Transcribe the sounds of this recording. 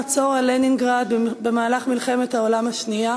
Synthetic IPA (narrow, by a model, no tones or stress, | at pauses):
at͡so̞ʁaleniŋɡʁad̪̚bemaːlaχmilχe̞me̞t̪hao̞lamaʃnia